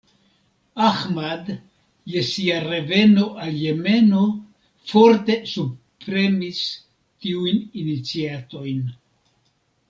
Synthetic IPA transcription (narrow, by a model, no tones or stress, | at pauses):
axmad | je̞siaɾe̞ve̞no̞ʔalje̞me̞no̞ | fo̞ɾte̞su | pɾe̞mis | tiujninit͡siato̞jn